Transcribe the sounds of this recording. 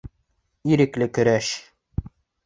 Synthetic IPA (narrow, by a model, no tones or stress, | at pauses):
iɾɘ̆klɘkɵ̆ɾæʃ